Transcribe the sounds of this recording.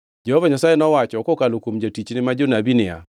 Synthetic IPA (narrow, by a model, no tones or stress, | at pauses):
d͡ʒɛhovaɲasajenɔwat͡ʃɔkɔkalokomd͡ʒatit͡ʃnɪmad͡ʒonabinɪa̰